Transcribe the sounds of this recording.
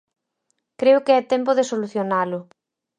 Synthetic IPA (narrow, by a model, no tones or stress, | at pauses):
kɾeʊkeɛt̪emp̬ʊðɪsoluθjonalʊ